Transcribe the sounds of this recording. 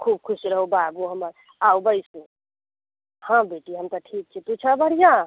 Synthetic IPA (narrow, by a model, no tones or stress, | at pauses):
kʰub̚kʰusɾəɦubabuɦəməɾ | aubəɪsũ | hãbeʈiɦəmt̪əʈʰik̚t͡ʃʰit̪ut͡ʃʰabʱəɽijã